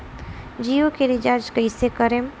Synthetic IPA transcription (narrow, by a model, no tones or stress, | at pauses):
d͡ʒijokeɾid͡ʒaɾd͡ʒkəjsekəɾem